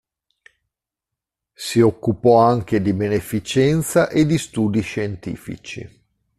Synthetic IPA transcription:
siokːupɔaŋk̟ed̪ibenefit͡ʃɛnt̪saʔed̪ist̪uːd̪iʃent̪ḭːfḭt͡ʃḭ

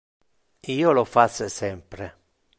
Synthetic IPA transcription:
iːolofassɛmpɾe

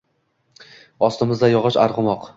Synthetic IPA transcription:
ɒst̪ɪmɪzd̪ajɒʁɨʃa̰ɾʁʊmɒq

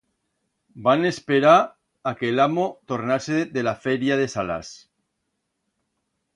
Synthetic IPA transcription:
banespeɾa | akeːlamot̪o̞ɾnaseðe̞lafeɾjaðe̞sala̰s

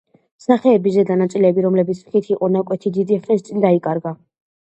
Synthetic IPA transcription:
saχɛːbizɛd̪anat̪sʼilɛbiɾɔmlɛbit̪sʰχit̪ʰiqʼɔnakʼwɛt̪ʰid̪id̪iχnɛst̪sʼind̪aikʼaɾɡa

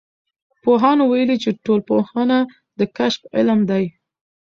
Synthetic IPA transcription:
poɦɑnowajəlit͡ʃeʈolpohɑna | d̪əkaʃfɪ̰lmd̪aj

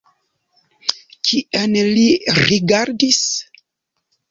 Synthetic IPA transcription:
kʰienliɾiɡaɾdis

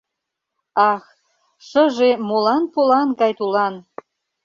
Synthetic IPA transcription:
ɑx | ʃəʒemolɑnpolɑnɡɑjt̪ulɑn

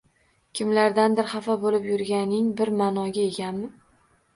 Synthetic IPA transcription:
kʲʰɪmlaɾd̪and̪ɪɾχafabolɪpjʊɾɡʲanɪŋbɪɾmaːnɒɡʲae̞ɡʲanmɪ

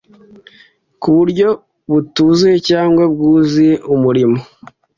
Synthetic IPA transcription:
kuβuɾɟo̞ | βutuzuje̞caːŋɡwab̚ɡuːziumuɾimo

